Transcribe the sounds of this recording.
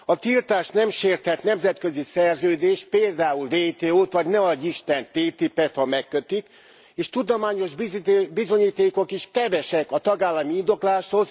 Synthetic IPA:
ɒt̪ilt̪aːʃnɛmʃeːrt̪hɛt̪nɛmzɛt̪kø̞zisɛrzøːd̪eːʃt̪̚peːld̪aːulveːt̪eːoːt̪ʋɒɟnɛɒɟiʃt̪ɛnt̪eːt̪ipːɛt̪hɒmɛkːøt̪yk | eːʃt̪ud̪omaːɲo̞ʒbbizo̞ɲiːt̪eːko̞kiʃkɛvɛʃɛkɒt̪ɒɡaːlːɒmiind̪o̞klaːʃho̞z

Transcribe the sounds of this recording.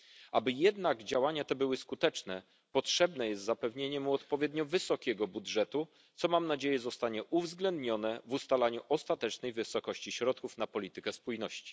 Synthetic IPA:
abɘjɛd̪naɡd͡ʑawaɲat̪ɛbɘwɘskut̪ɛt͡ʂnɛ | pɔtʂɛbnɛjɛst̪zapɛvɲeɲɛmuɔt̪pɔvʲjɛd̪ɲɔvɘsɔkʲɛɡɔbudʐɛt̪u | t̪sɔmamnad͡ʑejɛzɔst̪aɲɛʔuvzɡlɛnd̪ɲɔnɛvust̪alaɲuʔɔst̪at̪ɛt͡ʂnɛjvɘsɔkɔɕt͡ɕiɕɾɔt̪̚kufn̪apɔlʲit̪ɘkɛspujnɔɕt͡ɕi̥

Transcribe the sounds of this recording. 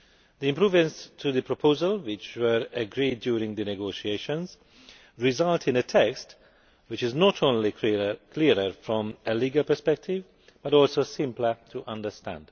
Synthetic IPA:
ðiɪ̃mpʰɹ̥uvə̃nstʰɨðɨpʰɹ̥əpʰoʊzəlˠwɪt͡ʃwə˞ɨɡɹid̚djuːɹɪ̃ŋðɨnɨɡoʊʃieɪʃə̃nz̥ | ɹɪzʌlˠtʰɨ̃nɨtʰɛkst | wɨt͡ʃɪznɔɾʰõʊ̃nlikʰlɪɹəfɹɔ̃mɨliɡəlˠpə˞spɛk̚tʰɪv | b̥ʌɾɔlˠsoʊsɪ̃mplə˞tʰəʔʌ̃ndə˞stæ̰̃nd̥

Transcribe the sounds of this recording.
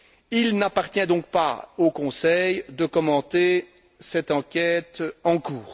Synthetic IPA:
ilnapaʁt̪jɛ̃d̪ɔ̃k̚pa̰okɔ̃sɛjd̪əkɔmɑ̃t̪e | sɛt̪ɑ̃kʲɛt̪ɑ̃kuːʁ

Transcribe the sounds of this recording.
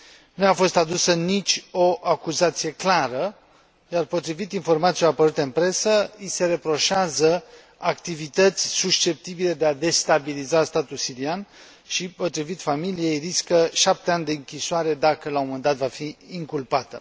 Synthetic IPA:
nuafo̞st̪ad̪usənit͡ʃʲo̞ʔakuzat̪sije̞klaɾə | jarpo̞t̪ɾivit̪info̞rmat̪sijoapəɾut̪eɨnpɾe̞səise̞ɾe̞pɾo̞ʃazə | akt̪ivit̪ət̪sʲsuʃt͡ʃe̞p̚t̪ibile̞d̪e̞ad̪e̞st̪abilizast̪at̪ulsiɾian | ʃipo̞t̪ɾivit̪familije̞jriskəʃap̚t̪e̞anʲd̪e̞ɨŋkʲisoaɾe̞d̪akəlaomand̪at̪vafiiŋkulpat̪ə̰

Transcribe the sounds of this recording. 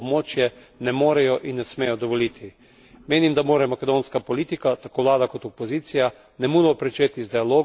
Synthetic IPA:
bmoːt͡ʃjɛ | nɛmoːɾɛjɔʔinːɛsmeːjɔd̪ɔʋɔlit̪ʰi | meːnimd̪amoːɾɛmakɛd̪oːnskapɔliːt̪ikat̪akoːʋlaːd̪akɔt̪ɔpɔziːt̪sija | nɛmuːd̪ɔpɾɛt͡ʃeːt̪izd̪ɛaloː

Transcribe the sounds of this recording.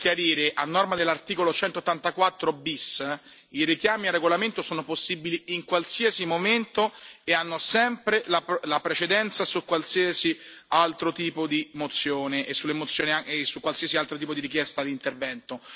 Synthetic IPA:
kjaɾiːɾeʔanːɔrmad̪elːart̪iːkolot͡ʃɛnt̪ot̪ːant̪akwat̪ːɾobis | iɾekjaːmiarːeɡolament̪osoːnoposːiːbiliiŋkwalsiasimoment̪oeanːosɛmpɾelalapɾet͡ʃed̪ɛnt̪sasukːwalsiasialt̪ɾot̪iːpod̪imot̪sːjoːneʔesːulːemot̪sːjoːniaesukːwalsiːasialt̪ɾot̪iːpod̪iɾik̬jɛst̪ad̪int̪ervɛnt̪o

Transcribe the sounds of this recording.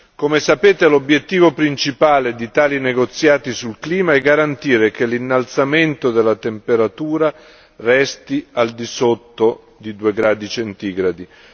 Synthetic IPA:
komesapeːt̪elobjet̪ːiːvopɾint͡ʃipaːled̪it̪aːlineɡot̪sːjaːt̪isulkliːmaɛɡːaɾant̪iːɾekelinːalt̪sament̪od̪elːat̪empeɾat̪uːɾa | rɛst̪iald̪isot̪ːo | d̪id̪ueɡɾaːd̪it͡ʃent̪iːɡɾad̪i

